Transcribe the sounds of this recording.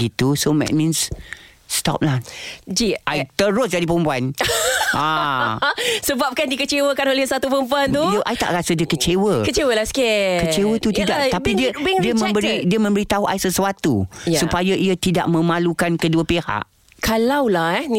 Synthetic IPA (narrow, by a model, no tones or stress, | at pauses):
ɡit̪usomɛ̰t̚mĩns | st̪ɔ̰p̚lahd͡ʒiʔajt̪əɾʊsdadipəmpuanʔa | səbap̚kandikət͡ʃewəkanolɛhsat̪upəmpuant̪uijəʔajt̪a̰ʔɾasədiəkət͡ʃewəkət͡ʃewəlaskekət͡ʃewət̪ut̪idaʔ̪aidiədiəmə̃mbəɾidiəmə̃mbəɾit̪aɦuʔajsəswat̪ujsupajaʔiət̪ida̰ʔmə̃mãlukankəduəpeha̰ʔ | kalawlahɛn